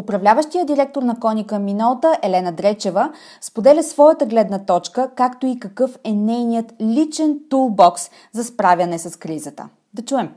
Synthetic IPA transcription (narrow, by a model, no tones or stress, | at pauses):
opɾɐvlʲavəʃt̪ijəd̪iɾɛk̚t̪oɾnɐkɔnikəminɔt̪əʔɛlɛnəd̪ɾɛt͡ʃɛvə | spod̪ɛlʲəsvɔjət̪əɡlɛd̪nət̪ɔt͡ʃkəkakt̪oikɐkɤfɛnɛjnijət̪lʲit͡ʃɛnt̪ulˠbɔks | zɐspɾavʲɐnɛsɐskɾizət̪ə̰ | d̪ɐt͡ʃuɛm